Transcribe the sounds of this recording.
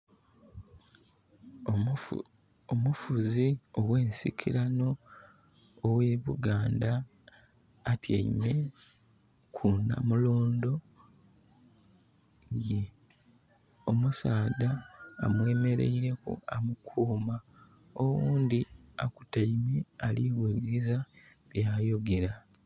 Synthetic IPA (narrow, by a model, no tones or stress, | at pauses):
omufuziowwe̞ːnsikʰiɾano̞ | we̞ːβuɡaːndaː | tja̰ḭme̞ | kʰuna̰muloːndo̞ | ŋɡe | o̞musaːda̰ːmwe̞ːme̞ɾe̞̰iɾe̞kṵamukʰuːma | owuːnd̪ia̰ku̥taimealiwuliɾiza | βjaːjo̞ɡe̞ɾa